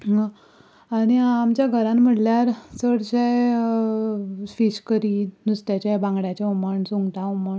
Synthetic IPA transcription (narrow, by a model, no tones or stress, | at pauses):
ɦã | aniamt͡ɕjaɡʱəɾãnm̤əʈljaɾsəɽɕa | fiɕkəɾiːnust̪jat͡ɕabãŋɡɽjat͡ɕauməɳsuŋɡʈauməɳ